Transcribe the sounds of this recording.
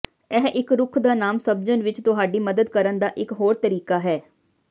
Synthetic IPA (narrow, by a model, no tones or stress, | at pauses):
ɛɦʔɪkɾʊkʰd̪aːnaːmsəb̚d͡ʒənʋɪt͡ʃt̪ʊɦaːɖiːməd̪əd̪kəɾənd̪aːʔɪkɦoːɾt̪əɾiːkaːɦɛː